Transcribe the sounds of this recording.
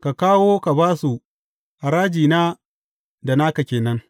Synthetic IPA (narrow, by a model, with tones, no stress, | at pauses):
ka˨kaː˦woː˦ka˨baː˦su˨ | ʔa˨ɾaː˦d͡ʒiː˨naː˦ | da˨naː˦ka˨kʲeː˨nɐ˦ŋ